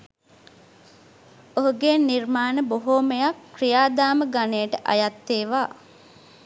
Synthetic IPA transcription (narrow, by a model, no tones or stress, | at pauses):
oɦuɡeːnirmaːnəboɦoːməjakːrijaːd̪aːməɡaneːʈəʔa̰jat̪ːeːʋaː